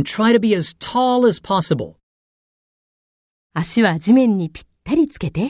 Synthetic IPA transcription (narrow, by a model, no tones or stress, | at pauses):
ntʰɹ̥aɪɾɨbiɨz̥tʰɔlˠəz̥pʰɑsəbə̰lˠ | aɕiβad͡ʑimẽ̞ɲ̟ːipʲi̥t̪ːaɾʲit͡sɨ̥ke̞t̪e̞